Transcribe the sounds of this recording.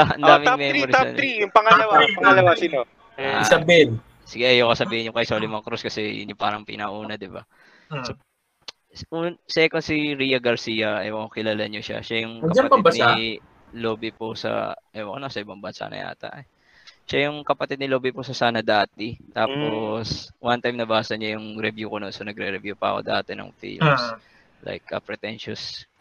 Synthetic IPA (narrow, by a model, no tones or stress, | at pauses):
ʔɐ̰nd̪aːmɪamɪɛɾiɾt̪aɐ̰nɾijʊŋpɐŋɐlɐwapɐŋɐlɐwasino | asɐbin | sɪɡɛʔɛjokɐsɐbiːhɪnjʊŋkɐjsolɪmɐŋkɾoskɐsɛjʊ̰nɲopaːɾɐŋpḭnɐʔuːnɐd̪ɪba̰ | o | ʔuːnsɛkosiɾijɐɡɐɾsiːjɐʔɐwɐkɪlalaɲoʃa̰ʃajʊŋkɐpaɐtpɐɪbad̪na | loːbɪposɐ̰ʔɛwɐkonɐsɐɪbɐŋbɐsa̰nɐ̰jʔa̰ːt̪ɐ̰ʔ | ʃajʊŋkɐpɐt̪ɪd̪nɪlo̞ːbɪpʊsɐsaːnɐd̪aːt̪̚ɪt̪aːposwʔant̪ajmnɐbaːsɐɲajʊŋɾɛvjukononsonɐɡɾɛɾɛvjupɐ̰ɐ̰ko̰d̪ɐaːt̪ɪnɐ̰ŋfḭls | la̰jkɐ̰pɾɛt̪ɛnʃʊs